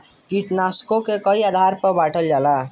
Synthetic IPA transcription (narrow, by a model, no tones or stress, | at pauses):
kiʈnaskokekəiad̪ʱaɾpəbaʈʰəld͡ʒala